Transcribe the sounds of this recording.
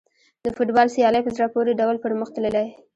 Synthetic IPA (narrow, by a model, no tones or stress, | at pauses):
d̪əfʊʈbɑlsijɑləjpəzɾɑpoɾeɖawlpəɾməxt̪ələlaj